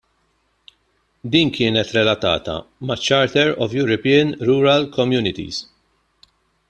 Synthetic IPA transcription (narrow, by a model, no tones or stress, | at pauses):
d̪iːnkʰɪːnɛt̪ɾɛlɐt̪ɐ̰ːt̪ɐ̰mɐt͡ʃːɐɾt̪ɛɾɔvjuːɾɔpiɐnɾuːɾɐlkʰɔmjuːnɪt̪ḭz